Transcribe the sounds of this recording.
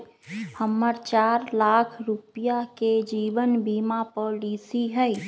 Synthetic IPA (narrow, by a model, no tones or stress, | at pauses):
həmːəɾt͡ʃaːɾlaːkʰɾupijaked͡ʒiːʋənbiːmapɔːliːsiɦɛi